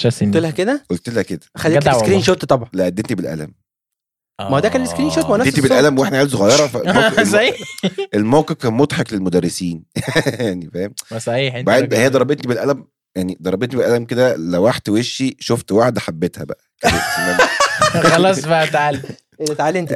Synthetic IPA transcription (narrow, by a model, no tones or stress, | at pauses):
æst̪elhæked̪æʔolt̪elhæked̪æxælːelskɾiːnʃot̪t̪ˤɑbʕɑleʔæd̪ːent̪ibelʔæ̰læ̰m | mæhd̪æːkænleskɾiːnʃoːt̪mnæet̪ibelʔælæmweʔeħnæʕaːlsoɣɑjːɑɾˤɑfæmsˤɑielmowqefkæːnmot̪ˤħɑklelmod̪ærːesiːnjjaʕnifæhemsˤɑħiːħbaʕd̪hejːæd̪ˤɑɾˤɑbet̪nibelʔælæm | jaʕnid̪ˤɑɾˤɑbet̪nibelʔælæmked̪ælæwaħt̪weʃːiʃoft̪waħd̪ħabːet̪hæ̰bæ̰ʔækelːæ | xɑlɑːsˤbæʔæt̪ʕal | elːet̪ʕalːen